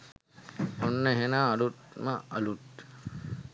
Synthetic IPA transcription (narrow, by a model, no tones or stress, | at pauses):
onːəɦenaːluʈməɐluʈ̚